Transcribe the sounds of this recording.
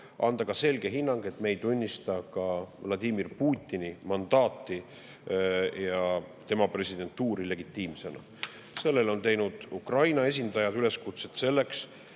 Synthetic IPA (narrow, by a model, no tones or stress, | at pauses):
ɑ̰nd̪̥ɑkɑse̞lɡ̥e̞ɦinːɑŋɡ̥e̞t̪me̞jt̪unʲːist̪ɑkɑvlɑd̪ʲiːmirpuːt̪ʲːˑinimɑnd̪̥ɑːt̪ːˑi | jɑt̪e̞mɑpre̞sid̪e̞nt̪ːuːɾile̞ɡ̥it̪ːˑiːmse̞nɑ̰ | se̞lːe̞lo̞nt̪e̞jnud̪̥ukrɑjnɑe̞s̬ʲind̪ɑjɑd̪̥yle̞skut̪se̞t̪se̞lːe̞ks